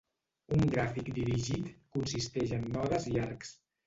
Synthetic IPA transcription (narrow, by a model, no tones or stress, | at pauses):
uŋɡɾafikd̪iɾiʒit̪kunsist̪ɛʒənːɔðəziaɾks